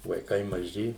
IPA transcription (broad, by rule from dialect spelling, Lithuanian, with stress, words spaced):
ʋɐɪˈkɐɪ mɐˈʒʲɪ